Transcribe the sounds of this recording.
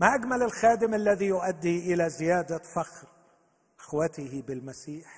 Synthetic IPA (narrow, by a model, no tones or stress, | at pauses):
maʔaɡmalɪlxaːd̪ɪmalːaðijʊʔad̪ːiʔɪlazɪjaːd̪afaxɾ | ʔɪxwat̪ɪhɪbɪlmasiːħ